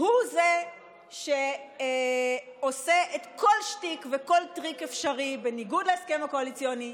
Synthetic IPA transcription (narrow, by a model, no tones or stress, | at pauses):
huze̞ | ʃe | ose̞ʔetko̞lʃtikveko̞ltʁikefʃaʁibe̞niɡudleeskemako̞alit͡sjoni